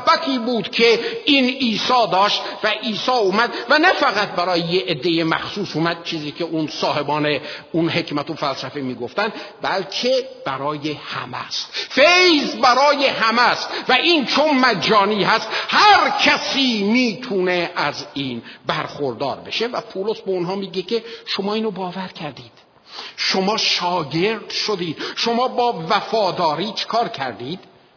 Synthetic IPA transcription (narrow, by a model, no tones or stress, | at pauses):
bæt̪ʰiːbuːd̪kʰeiːniːsɒːd̪ɒːʃt̪væʔiːsɒːumæd̪̚vænæfæɣæt̪̚bæɾɒːjejeːd̪ːe̞jemæ̰xsuːsumæd̪̚t͡ʃʰiːziːkʰe̞ʔunsɒːhe̞bɒːneunɦe̞cmæt̪ofælsæfemiːɡo̞ft̪ænd̪bælkʰe | b̥æɾɒːjehæ̰mæ̰st̪fejzbæɾɒːjehæmæst̪væʔiːnt͡ʃʰonmæd͡ʒɒːniːhæst̪hæɾcʰæsiːmiːt̪ʰuːneʔæziːnbæɾxoɾd̪ɒːɾbe̞̰ʃevæpʰulosbeonɦɒːmiːɟecʰeʃomɒːiːnobɒːvæɾkʰæɾd̪iːd̪̥ | ʃomɒːʃɒːɟeɾd̪̥ʃod̪iːd̪̥ʃomɒːbɒːvæfɒːd̪ɒːɾiːt͡ʃʰe̥kʰɒːɾcʰæɾd̪iːd̪̥